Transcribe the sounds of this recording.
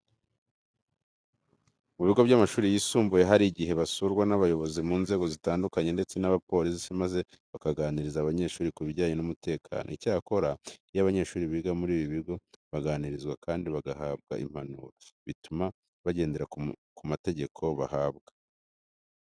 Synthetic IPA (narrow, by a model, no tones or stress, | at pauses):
muβiɡo̞βɟamaʃuːɾijiːsuːmbuje̞ɦaɾiɟiɦe̞βasuɾɡwanaβajo̞βo̞zimuːnze̞ːɡo̞zitaːndukaɲe̞nde̞t͡se̞naβapo̞ːɾissimaze̞ | βakaɡaːniɾizaːβaɲe̞ʃuːɾikuβiɟaːɲenumute̞ːkʰa̰ːnʔo̰icaːko̞ɾajaβaɲe̞ːʃuːɾiβiɡamuɾiːβiβiɡo̞βaɡaːniɾizɡwakaːndiβaɡahaːbɡa̰ʔḭm̥hanṵːɾaβituma | βaɟe̞ːnde̞ɾakumate̞ɟe̞kʰo̞βahaːβɡḁ